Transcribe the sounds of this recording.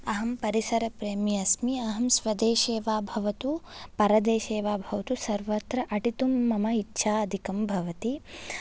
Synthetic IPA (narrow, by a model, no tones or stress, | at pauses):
ɐɦɐmpɐɾisɐɾɐpɾeːmiɐsmiɐɦɐmsʋɐd̪eːʃeːʋaːbʱɐʋɐt̪upɐɾɐd̪eːʃeːʋaːbʱɐʋɐt̪usɐɾʋɐt̪ɾɐʔɐʈit̪umːɐmɐitːʃʰaːɐd̪ʱikɐmbʱɐʋɐt̪i